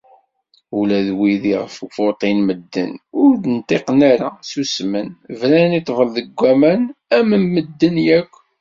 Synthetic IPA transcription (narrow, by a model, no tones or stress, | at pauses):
ulæðwiðiʁəfufʊɾt̪ˤinməd̪ːə̰nʊɾd̪ənt̪ˤeqnaɾasusmənvɾænit̪ˤːvəlðəɡʷːæmænæməmːəd̪ːənjækʷː